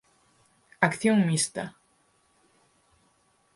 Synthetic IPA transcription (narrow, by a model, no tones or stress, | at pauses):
akθjoŋmist̪a̰